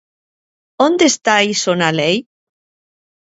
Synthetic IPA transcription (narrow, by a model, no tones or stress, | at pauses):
ond̪est̪ajsonalej